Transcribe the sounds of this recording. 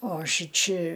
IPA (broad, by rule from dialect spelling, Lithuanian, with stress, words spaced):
oː ˈʃʲɪt͡ʃʲɪ